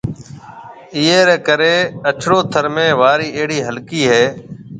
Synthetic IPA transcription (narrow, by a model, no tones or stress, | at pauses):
ɪːeːɾeːkəɾeːəʈʰɽoːt̪ʰəɾmẽːʋaːɾiːeɦɽiːɦəlkiːɦeː